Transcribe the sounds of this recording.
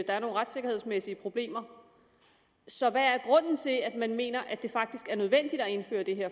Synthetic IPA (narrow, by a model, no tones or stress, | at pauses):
d̥ɑ̈æɐno̝ːn̩ʁɑ̈d̥se̝ɡ̥ɐe̝ð̞̰ˠsmesiəpʰʁo̝b̥le̝̰ːmɐ | sɒ̽ʋææɐɡ̥ʁɔ̽n̰n̩t͡sʰe̝læd̥mænme̝̰ːnɐʔæd̥e̝fɑ̈ɡ̥̚d̥isɡ̥æɐnøð̞ˠʋen̰d̥id̥ɒ̽e̝nfø̰ːɐd̥e̝ɦeɐ̰